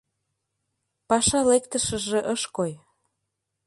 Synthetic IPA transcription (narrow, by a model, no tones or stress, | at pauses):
pɑʃɑlekt̪əʃə̆ʒeʔəʃkoj